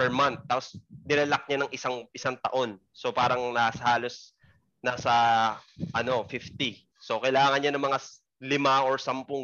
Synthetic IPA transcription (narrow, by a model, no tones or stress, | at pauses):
pɛɹmant̪̚ːaːposnɪɾɛlɐk̚ɲanɐŋʔɪsaŋʔɪsaŋt̪ɐ̰ʔo̞n | so̞paːɾɐŋnasɐhaːlo̞s | naːsɐ | ʔɐno̞fift̪i | so̞kɐjlaːŋɐnɲanɐŋmɐŋa | lɪmaʔoɹsɐmpʊŋ